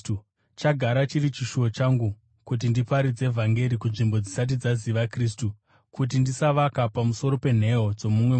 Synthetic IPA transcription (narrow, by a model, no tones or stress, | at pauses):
u | t͡ʃaɡʱaɾat͡ʃirit͡ʃiʃuo̞t͡ʃaŋɡu | kut̬indipaɾid͡ze̞vʱaŋɡe̞ɾikunʐimbo̞d͡zisat̬id͡zaziʋakriːstu | kut̬indisaʋakapamuso̞ɾo̞pe̞n̤e̞od͡zo̞mumwe